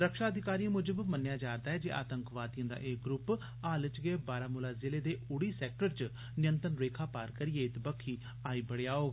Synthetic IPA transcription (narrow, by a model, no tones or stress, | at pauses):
ɾəkʃaːəd̪ʱɪkaːɾiːãːmʊd͡ʒəbmənjaːd͡ʒaːɾd̪aːɛːd͡ʒeːʔa̰ːt̪əŋkʋaːd̪ijãːd̪a̰ːʔeːɡɾʊp | aːlət͡ʃɡeːbaːɾaːmʊlaːzɪleːd̪eːʊɽiːsɛːk̚ʈəɾt͡ʃ | nɪjə̃nt̪ənɾeːkʰaːpaːɾkəɾieːɪt̪bəkʰːiː | aːiːbəɽejaːoːɡ